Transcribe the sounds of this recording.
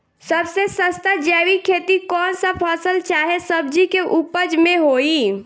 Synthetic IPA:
səbsesəst̪ad͡ʒɛːwikʰeːt̪ikɔːnsapʰəːsəlt͡ʃaːɦesəb̚d͡ʒikeʔupəd͡ʒmẽɦoːiː

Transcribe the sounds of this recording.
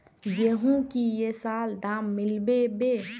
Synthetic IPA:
jeɦũkijesaːld̪aːmːɪlbebe

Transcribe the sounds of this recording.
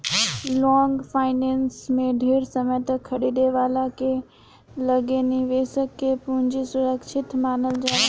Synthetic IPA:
lɔːŋɡfʰaːɪneːnsmẽɖʱeːɾsɐməjt̪ɐkʰːɐɽid̪eʋaːlakʰe | lɐɡeniʋeːsəkːepʊɦɪ̃ɲd͡ʑisʊɾəkʃʰɪt̪maːnəld͡ʑaː

